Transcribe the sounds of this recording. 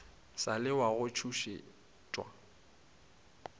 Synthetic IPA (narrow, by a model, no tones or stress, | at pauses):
salɪwaɣʊt͡ʃʰuʃḛ | tʼwa̰